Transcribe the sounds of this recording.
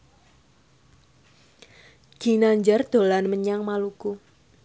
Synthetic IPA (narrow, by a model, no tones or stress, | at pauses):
ɡ̥i̤naɲd͡ʒard̪̥o̤lanməɲaŋmaluku